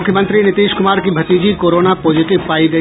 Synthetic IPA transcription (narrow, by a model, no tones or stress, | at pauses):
ʊkʰjəmə̃nt̪ɾinɪt̪iːʃkʊmaːɾkibʱɐt̪iːd͡ʒikoːɾoːnapoːzɪʈɪbpaːiɡɐ